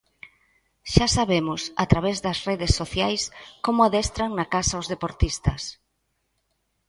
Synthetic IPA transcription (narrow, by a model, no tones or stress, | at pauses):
ʃasaβemʊsat̪ɾaβezðɐsreðesːoθjajskomʊaðɛst̪ɾaŋnɐkasaozðepoɾt̪ist̪ɐs